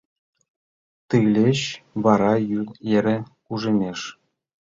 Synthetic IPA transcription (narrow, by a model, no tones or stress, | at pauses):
t̪ɯlʲeɕβɑɾɑjylˠeɾʲĕkuʐĕmʲeʃ